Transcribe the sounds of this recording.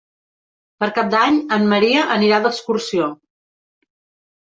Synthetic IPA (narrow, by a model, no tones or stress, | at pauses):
pəɾkap̚d̪aɲəmːəɾiəʔəniɾaðəkskursio